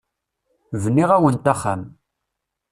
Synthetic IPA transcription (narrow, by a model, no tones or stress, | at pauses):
vənːiʁæwənt̪aχa̰m